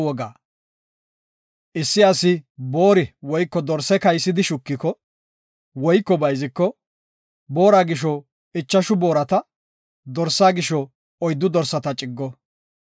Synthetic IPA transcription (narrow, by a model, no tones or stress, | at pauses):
wɔɡa̰ː | ʔɪsːɪɐsɪbo̞ːɾɪwɔjkːɔd̪ɔɾsːɛkɐjsːɪd̪ɪʃʊkːɪkɔ | wɔjkːɔbɐjzɪkːɔ | bo̞ːɾaːɡɪʃ̬ɔ | ɪt͡ʃːɐʃʊbo̞ːɾɐt̪ɐ | d̪ɔɾsːaːɡɪʃɔ | ɔjd̪ːʊd̪ɔɾsːɐt̪ɐt͡ʃʼɪɡːɔ